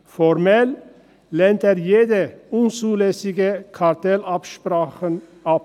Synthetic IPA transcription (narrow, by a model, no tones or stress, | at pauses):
fɔʁmɛlː | ɛnteːʁjeːdəʊnt͡suːlɛsɪɡəkʰaʁtʰɛlapʃpʁaːχən | ʔap̚